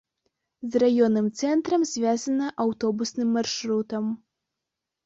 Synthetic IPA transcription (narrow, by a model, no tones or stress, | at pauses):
zrajɔnːɨmt̪sɛnt̪ɾɐmzʲvʲazɐnɐʔawt̪ɔbusnɨmːarʂɾut̪ɐm